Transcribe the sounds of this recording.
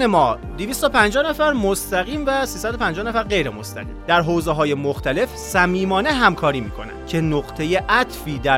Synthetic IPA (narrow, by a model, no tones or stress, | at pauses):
emɒː | d̪iviːst̪opʰænd͡ʒɒːhnæfæɾmost̪æɣiːmvæsiːsæd̪opʰænd͡ʒɒːhnæfæɾɢe̞jɾemo̞st̪æ̰ɣḭːmd̪æɾɦoːwzeɦɒːjemoxt̪ʰæle̞fsæmiːmɒːneɦæmkʰɒːɾiːmiːkʰo̞̰næ̰nd̥̚cʰe̞noɢt̪ʰe̞jeʔæt̪ʰfiːd̪æ